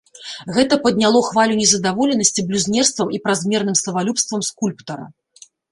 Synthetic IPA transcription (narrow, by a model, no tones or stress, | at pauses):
ɣɛt̪ɐpɐd̪̚ʲnʲalˠɔxvalʲunʲɛzɐd̪avɔlʲɛnɐsʲt͡sʲiblʲuzʲnʲɛrst̪vɐmipɾazʲmʲɛrnɨmsɐvalʲupst̪vɐmskulʲpt̪ɐɾɐ̰